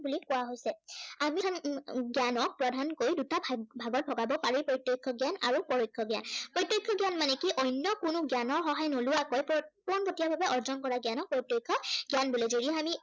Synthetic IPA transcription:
bulikʊwaɦojsɛaminɡjanɔk̚pɹɔdʱankojdutabʱaɡɔt̚bʱɔɡabɔpaɹipɹɔtjɔkʰːɔɡjana̰ɹupɔɹojkʰːɔɡja̰npɹɔtːjojkʰːɔɡjanmanɛkiʔɔjnːɔkʊnʊɡjanɔɹxɔɦajnolʊwakojppɔnpotijabʱabɛʔɔɹzɔnkɔɹaɡjanɔk̚pɔtjojkʰːɔɡjanbulezodiɛami

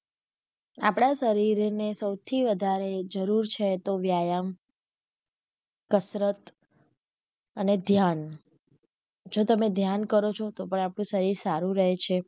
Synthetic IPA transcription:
a̰pɽ̃asəɾiɾnesəwt̪ʰiʋəd̪ʱaɾed͡ʒəɾuɾt͡ʃʰet̪oʋjajam | kəsɾət̪ | əned̪ʱjan | d͡ʒot̪əmed̪ʱjankəɾot͡ʃʰot̪opəɳapɽ̃ũsəɾiɾsaɾũɾəɦet͡ʃʰe

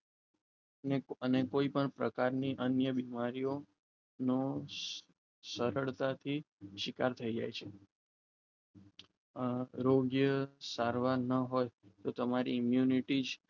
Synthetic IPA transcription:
ənekoipəɳpɾə̰kaɾniʔənjəbimaɾijo | no | səɾəɭt̪at̪ʰi | ʃɪkaɾt̪ʰəid͡ʒa̰jt͡ʃʰe | ɾoɡjəsaɾʋaɾnəɦojt̪ot̪əmaɾḭɪmjuniʈid͡ʒ

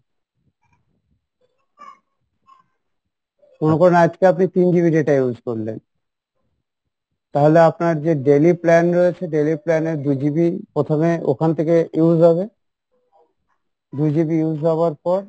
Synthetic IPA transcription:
monekoɾenad͡ʑkeapnit̪ind͡ʑibiɖeʈajud͡ʑkoɾlḛn | t̪aɦoleapnaɾd͡ʑeɖeliplɛnɾojet͡ɕʰeɖeliplɛneɾd̪ud͡ʑibipɾot̪ʰomeo̰kʰant̪ʰekejuud͡ʑɦɔbe | d̪ud͡ʑibiud͡ʑɦɔbaɾpɔɾ

